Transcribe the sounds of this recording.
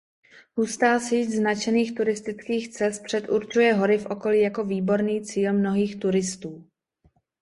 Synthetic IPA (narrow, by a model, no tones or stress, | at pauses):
ɦust̪aːsiːznat͡ʃɛniːxt̪uɾɪst̪ɪt͡skiːxt͡sɛst̪̚pr̥ɛt̪ʔuɾt͡ʃujɛɦo̞ɾɪfʔo̞ko̞liːjako̞viːbo̞ɾniːt͡siːlmno̞ɦiːxt̪uɾɪst̪uː